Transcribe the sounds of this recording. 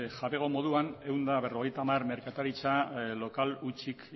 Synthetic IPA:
xaβeɣo̞mo̞ð̞uane̞wnd̪aβe̞ro̞ɣe̞jt̪amarme̞ɾkat̪aɾit͡salo̞kalut͡ʃik

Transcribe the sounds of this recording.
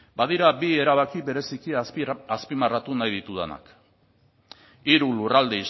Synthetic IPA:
bað̞iɾabie̞ɾaβakiβe̞ɾe̞sikiaspimarat̪unajðit̪uðena̰k | iɾulurald̪ei

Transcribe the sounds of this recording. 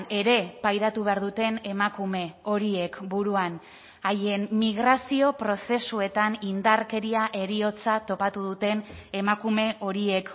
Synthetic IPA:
e̞ɾe̞pajɾat̪uβ̞e̞aɾðut̪e̞ne̞makume̞o̞ɾie̞kbuɾuan | aje̞nmiɣ̞ɾasio̞pɾo̞se̞sue̞t̪anind̪aɾke̞ɾiaʔe̞ɾio̞t͡sat̪o̞pat̪uðut̪e̞ne̞makume̞ʔo̞ɾie̞k

